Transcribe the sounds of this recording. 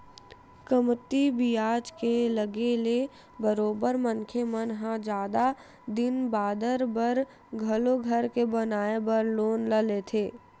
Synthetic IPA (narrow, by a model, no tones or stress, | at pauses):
kəmt̪ibijaːd͡ʒkeləɡele | bəɾoːbəɾmənkʰemənɦãd͡ʒaːd̪a | d̪ɪnbaːd̪əɾbəɾ | ɡʱəloɡʱəɾkebənaːebəɾloːnləlet̪ʰeː